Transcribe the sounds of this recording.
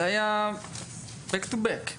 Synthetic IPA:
ajã | bɛkt̪ubɛk

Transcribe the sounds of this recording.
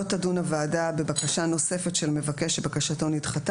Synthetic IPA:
otadunavaːdabe̞bakaʃano̞se̞fetʃelme̞vake̞ʃebakaʃato̞nitχat

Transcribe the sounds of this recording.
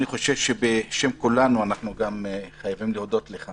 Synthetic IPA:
niχo̞ʃe̞v̥ʃebeʃe̞mkulanuanaχnuɡamχajavimliod̪o̞tleχa

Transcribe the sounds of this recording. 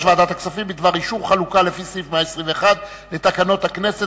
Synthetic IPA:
ʃvaːd̪at̪aksafimbid̪vaʁiʃuvχalukalefisʁifmeaesʁiveeχad̪ | le̞t̪akano̞t̪hakne̞se

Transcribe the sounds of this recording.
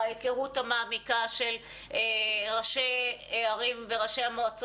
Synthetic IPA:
jekeʁutamaːmikaʃel | eʁaʃeeaʁimveʁaʃeamoat͡s

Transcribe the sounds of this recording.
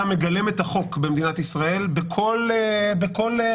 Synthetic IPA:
ame̞ɡale̞me̞t̪aχo̞kbe̞md̪inat̪isʁae̞lbekʰo̞lebeko̞l

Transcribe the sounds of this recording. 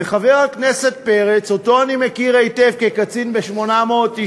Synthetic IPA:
eχaveʁhaknese̞t̚peʁet͡so̞to̞animekiʁejtevkekat͡sinbeʃmo̞namo̞ːt̪ːi

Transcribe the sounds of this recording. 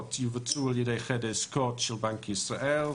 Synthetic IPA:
tʰiwvətʰuəlˠjidejχɛdɪskʰɔtʃɪlˠbaŋkʰisraʔɛl

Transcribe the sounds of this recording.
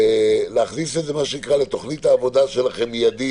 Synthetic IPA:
leaχnisetze̞maʃeikʁale̞t̪o̞χnit̪aːvo̞d̪aʃe̞laχe̞mijad̪i

